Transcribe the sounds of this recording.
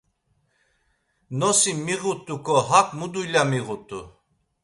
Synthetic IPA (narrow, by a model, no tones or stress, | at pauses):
nɔsimiɣut̪ʼukʰʼɔɦakʼmud̪ujlamiɣut̪ʼu